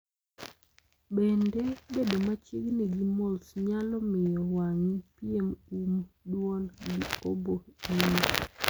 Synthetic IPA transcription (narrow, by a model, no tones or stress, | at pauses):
bendebedomat͡ʃiɡniɡimolsɲalɔmɪjɔwaŋipɪemumdwɔlɡio̰boini